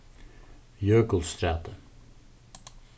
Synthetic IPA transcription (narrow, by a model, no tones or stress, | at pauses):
jøːɡəl̩st̪ɾæːt̪ə